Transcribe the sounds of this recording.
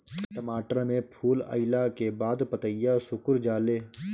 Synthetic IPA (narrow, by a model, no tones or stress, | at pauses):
t̪əmaːʈɾãmẽpʰuːlə̰ɪlakebaːd̪pət̪əjjasʊkʊɾd͡ʒaːleː